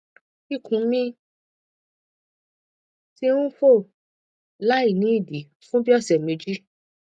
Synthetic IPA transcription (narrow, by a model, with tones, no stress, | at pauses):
i˦˨kʰũ˨˦mĩ˦ | ti˧˦ũ˦fo˦˨ | la˦i˦˨nĩ˨˦i˦˨di˨˦ | fũ˦bi˦ɔ˦˨sɛ˨me˧d͡ʒi˦